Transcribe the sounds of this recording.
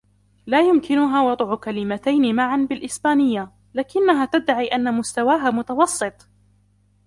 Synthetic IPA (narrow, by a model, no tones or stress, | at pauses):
laːjʊmkɪnʊɦaːwɑd̪ˤʕʊkalɪmat̪ajnɪmaʕanbɪlʔɪsbaːnɪjːa | laːkɪnːaɦaːt̪ad̪ːaʕiːʔanːamʊst̪awaːɦaːmʊt̪ɑwɑsˤːɨt̪ˤ